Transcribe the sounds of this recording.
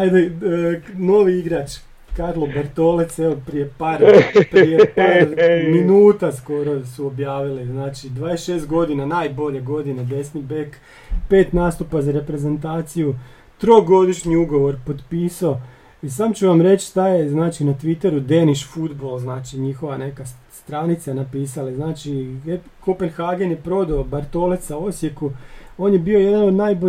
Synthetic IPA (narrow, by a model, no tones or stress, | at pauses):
ajd̪e | no̞ʋiiɡɾat͡ʃ | kaɾlˠobeɾt̪o̞let̪seʋopɾije̞paːɾpijepaːɾminuːt̪asko̞ɾo̞suobjaːʋiliznaːt͡ʃid̪ʋaːd̪esʃe̞ːst̪ɡo̞d̪inanaːjbo̞ʎe̞ɡo̞d̪inad̪esnibek | pe̞ːt̪naːst̪upazaɾe̞pɾe̞ze̞nt̪aːt̪siju | t̪ɾo̞ɡo̞d̪iʃɲiuɡo̞ʋo̞ɾpo̞d̪piːsao | isaːmt͡ʃuʋamɾe̞t͡ɕst̪ajeznaːt͡ʃinat̪ʋit̪e̞ɾud̪e̞niʃfud̪bolˠznaːt͡ʃiɲixo̞ʋane̞ka | st̪ɾanit̪sanapiːsaleznaːt͡ʃi | kʰopenxaɡenjepɾo̞d̪aːbaɾt̪o̞let̪sao̞sje̞kuo̞ːnje̞bio̞je̞d̪anod̪naːjbo